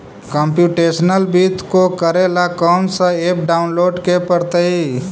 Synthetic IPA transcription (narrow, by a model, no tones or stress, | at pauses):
kəmpjuːʈesnəlbit̪kokəɾelakɔːnsə̃eːp̚ɖaːʊnloːɖkepəɾt̪əi